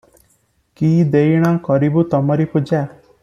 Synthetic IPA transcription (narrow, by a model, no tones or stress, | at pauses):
kiːd̪ejɽ̃ɔkɔɾibut̪ɔmɔɾipud͡ʒa